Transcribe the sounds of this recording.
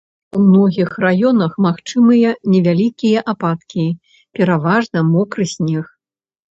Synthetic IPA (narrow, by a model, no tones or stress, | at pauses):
umnɔɣʲixrajɔnɐxmaxt͡ʂɨmɨjɐnʲɛvʲalʲikʲijɐʔapat̪kʲi | pʲɛɾavaʐnɐmɔkɾɨsʲnʲix